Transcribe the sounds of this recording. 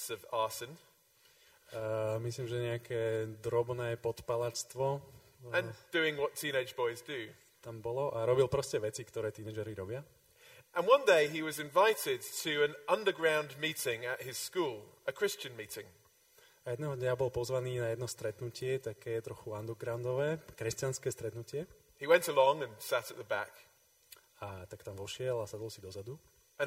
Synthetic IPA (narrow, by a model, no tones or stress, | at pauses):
səvɑˑsə̃n | misliːmʒɛɲɛakʰɛːd̪ɾɔbnɛːpɔt̪palat͡ʃt̪ʋɔ | ə̃nd̥ʉɪ̃ŋwʌtʰĩːñeɪd͡ʒbɔɪzdɨ | t̪ambɔlɔʔaɾɔbilˠpɾɔscɛʋɛt͡sikt̪ɔɾɛːt̪iːnɛd͡ʒɛɾiɾɔbɪa | ʔə̃nwʌ̃ndeɪiwɒzɪ̃ɱvaɪtɪd̚tʰəə̃nʔʌ̃ndə˞ɡɹãʊ̃nmiˑtɪ̃ŋɨʔ̚hɪz̥skuːlˠəkʰɹ̥ɪst͡ʃɨ̃nmitɪ̃ŋ | ajɛd̪nɛːɦɔd̪ɲabɔlpɔzʋaniːnajɛd̪nɔst̪ɾɛt̪nucɪɛt̪akɛːt̪ɾɔxuand̪uɡɾaʊnd̪ɔʋɛːkɾɛstanskɛːst̪ɾɛt̪nucɪɛ | hiwɛ̃ntəlɔ̃ŋə̃nsæɾət̪ðəbæ̰k | at̪akt̪amʋɔʃɪɛlasad̪ɔlˠsid̪ɔzad̪u | ə̃